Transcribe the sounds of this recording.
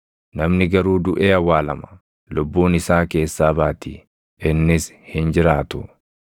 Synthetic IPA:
nɐmnɪɡɐɾuːd̪ʊʔeːɐwːaːlɐmɐ̥ | lʊbːuːnɪsaːke̞ːsːaːbaːt̪ḭː | ɪnːɪs | hɪnd͡ʒɪɾaːt̪ʊ

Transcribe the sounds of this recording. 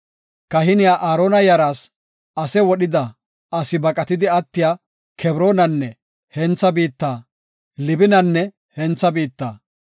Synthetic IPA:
kɐɦɪnɪjaːʔaːɾoːnɐjɐɾaːs | ʔɐsɛwɔɗɪd̪ɐ | ʔɐsɪbɐkʼɐt̪ɪd̪ɪɐt̪ːɪjaː | kʰɛbɾoːnɐnːɛ | hɛnt͡sːɐbiːt̪ːaː | lɪbɪnɐnːɛ | hɛnt͡sːɐbiːt̪ːaː

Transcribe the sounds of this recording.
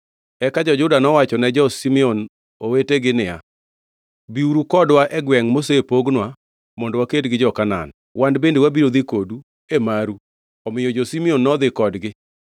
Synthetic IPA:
ɛkad͡ʒɔd͡ʒʊdanɔwat͡ʃɔnɛd͡ʒɔsimɛɔn | oweteɡɪnɪja̰ | biuɾukɔdwaʔɛɡwɛŋmosepoɡnwa | mɔndɔwakedɡɪd͡ʒɔkana̰n | wandbendewabiɾod̪ikodu | emaɾu | ɔmɪjɔd͡ʒɔsimionːɔd̪ɪkɔdɡɪ

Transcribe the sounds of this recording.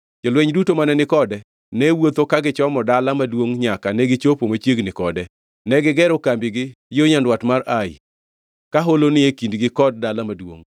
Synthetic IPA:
d͡ʒɔlwɛɲdutomanɛnɪkɔdɛ | nɛwot̪okaɡɪt͡ʃɔmɔdalamadwoŋɲakanɛɡɪt͡ʃopomat͡ʃjeɡnɪkɔdɛ | nɛɡɪɡɛɾokambɪɡɪ | joɲandwatmaraɪ̰ | kaɦolonɪekindɡɪkɔd̚dalamadwo̰ŋ

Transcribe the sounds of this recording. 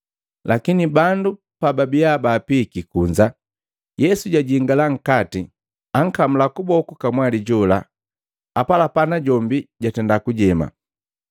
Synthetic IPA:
lakinibandu | pababijabaːpikikuɲd͡ʒa | jɛsuɟaɟiŋɡalaŋ̩kati | aŋ̩kam̩lakubɔkukamwaliɟɔla | apalapanaɟɔmbiɟatɛndakuɟɛma̰

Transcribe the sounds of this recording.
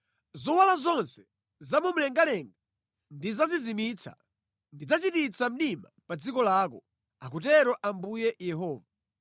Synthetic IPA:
zɔwalazɔnsɛ̥ | zamum̩lɛŋɡalɛŋɡa | ndizazizimit͡sʰa̰ | ndid͡zat͡ʃitit͡sam̩ɗimapad͡zikɔlaːkɔ | akutɛɾɔʔambujɛjɛɦɔːva

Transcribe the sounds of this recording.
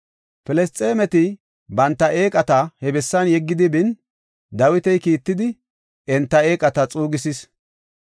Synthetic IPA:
fɛlɛst̪ʼeːmɛt̪ɪ | bɐnt̪ːɐʔe̞ːkʼɐt̪ɐhɛbɛsːɐnjɛɡːɪd̪ɪbɪn | d̪ɐwɪt̪ɛjkiːt̪ːɪd̪ɪ | ɛnt̪ːɐe̞ːkʼɐt̪ɐt͡sʼuːɡɪsɪs

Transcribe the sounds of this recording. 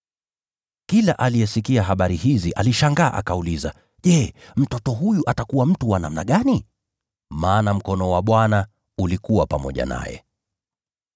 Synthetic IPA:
kilaʔalijɛsikiaɦaɓaɾihiziʔaliʃaŋɡa̰ːʔa̰kauliza | ʄɛm̩tɔtɔɦujuʔatakuwam̩tuwana̰m̩na̰ɠani | maːnam̩kɔnɔwaɓwana | ulikuwapamɔ̰ʄa̰na̰jɛ̰

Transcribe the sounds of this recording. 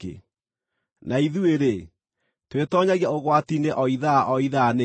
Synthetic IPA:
ḛ | nʔaiðueɾe | twetɔɲaɣiaoɣwatineʔɔiðaʔɔiðane

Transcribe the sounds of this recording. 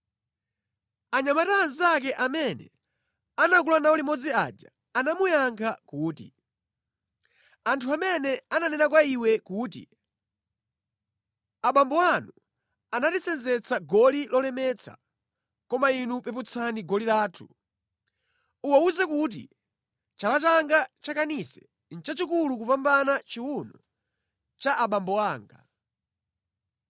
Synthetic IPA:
aɲamatanzak̬ɛʔamɛnɛ̰ | anak̬ulanaulimɔd͡zia̰d͡ʒa̰ːnamujaŋkʰakuːtḭ | antʰuamɛnɛananɛnakwaiwɛkuːtḭ | aɓambɔanu | anatit͡sɛnd͡zɛt͡sʰaɡɔlilɔlɛmɛt͡sʰa̰ | kɔmainupɛput͡sʰaniɡɔlilaːtʰu̥ | uwauzɛkut̬ḭ | t͡ʃalat͡ʃaŋɡat͡ʃakanisɛ̥ | n̩t͡ʃat͡ʃikuluk̬upambanat͡ʃiwunɔ | t͡ʃaʔaɓambɔwaːŋɡa̰

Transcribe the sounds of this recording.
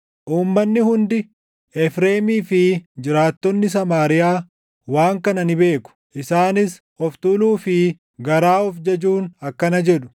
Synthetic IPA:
ʔuːmːɐnːɪhʊnd̪ɪ | ɛfɾeːmiːfɪd͡ʒɪɾaːt̪ːɔnːɪs̬ɐmaːɾɪjaː | waːŋkɐnɐnɪbe̞ːkʊ̥ʔɪsaːnɪs | ɔft̪uːluːfɪ | ɡɐɾaːɔfd͡ʒɐd͡ʒuːnɐkːɐnɐd͡ʒɛᶑʊ̥

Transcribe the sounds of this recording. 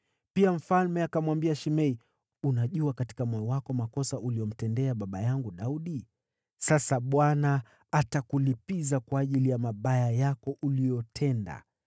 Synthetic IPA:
piam̩falmɛakamwambiaʃimɛi | unaʄuakati̥kamɔjɔwakɔmakɔsaʔuliɔm̩tɛndɛaɓaɓajaŋɡuɗauɗi | sasaɓwanaː | takulipizakwaːʄilijamaɓajajakɔʔulijɔtʰɛnda̰

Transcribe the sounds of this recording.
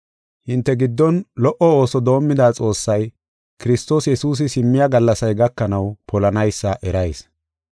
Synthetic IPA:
hɪnt̪ːɛɡɪd̪ːɔnlɔʔɔo̞ːsɔd̪o̞ːmːɪd̪aːt͡sʼo̞ːsːɐj | kɪɾɪst̪o̞ːsjɛsuːs̬ɪsɪmːɪjɐɡɐlːɐsɐjɡɐkːɐnɐwpʰɔlɐnɐjsːɐʔɛɾɐjs

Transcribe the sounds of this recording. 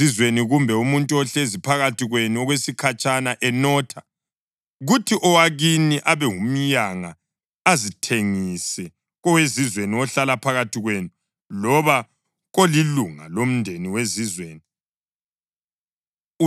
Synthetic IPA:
izweniɣumbʱɛumuntʼuɔɬezipʰaɣatʰiɣwenuɔɣwesikʰat͡ʃʼanaʔɛnɔːtʰḁ | ɣutʰiʔɔwaɣiniʔaβɛŋum̩jaŋa | azitʰeŋisɛ | ɣɔwezizweniɔɬalapʰaɣatʰiɣwenu | lɔβa | ɣoliluŋa̰lom̩ndʱeniwezizweːni

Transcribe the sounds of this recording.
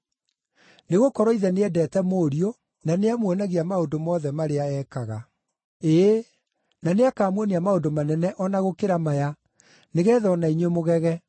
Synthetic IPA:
neɣokɔɾɔiðɛneɛdɛːtɛmoːɾio | naneamwɛnaɣiamaondomɔðɛmaɾeaɛkaɣa̰ | e | naneakaːmwɔniamaondomanɛnɛʔɔnaɣokeɾamaja | neɣɛːðɔnaiɲwemoɣɛɣɛ

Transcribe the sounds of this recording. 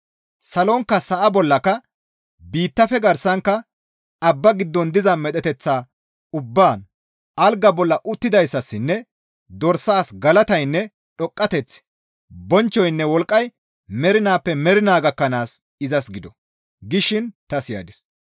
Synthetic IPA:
sɐlɔŋkːɐsɐʔɐbɔlːɐkɐ | biːt̪ːɐfɛɡɐɾsɐŋkːɐ | ɐbːɐɡɪd̪ːɔnd̪ɪzɐmɛt̪ʼɛt̪ɛt͡sːaː | ʊbːaːn | ɐlɡɐbɔlːɐʔʊt̪ːɪd̪ɐjsːɐsːɪnːɛ | d̪ɔɾsaːsɡɐlɐt̪ɐjnːɛ | ɗɔkʼːɐt̪ɛt͡sː | bɔnt͡ʃːɔjnːɛwɔlkʼːɐj | mɛɾɪnaːpːɛmɛɾɪnaːɡɐkːɐnaːs | ɪzɐsɡɪd̪ɔ | ɡɪʃɪnt̪ɐsɪja̰ːd̪ɪs

